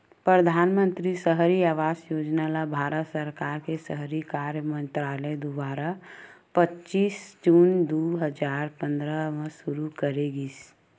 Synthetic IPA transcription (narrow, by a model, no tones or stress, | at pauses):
pɾəd̪ʱaːnmə̃nt̪ɾisəɦɾiaːʋaːsjoːd͡ʒnalabʱaːɾət̪səɾkaːɾkesəɦɾikaːɾjəmə̃nt̪ɾaːləd̪ʊbaːɾa | pətːt͡ʃʃiːsd͡ʒuːnd̪oːɦəd͡ʒaːɾpə̃nd̪ɾəmẽʃʊɾukəɾeɡis